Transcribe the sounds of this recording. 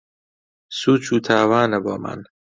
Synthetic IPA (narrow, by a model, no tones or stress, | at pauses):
suːt͡ʃʰuːt̪ʰaːvaːnebɒːmæ̰n